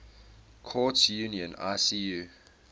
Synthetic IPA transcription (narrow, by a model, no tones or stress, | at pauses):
kʰɔːtjuniə̃na̰siu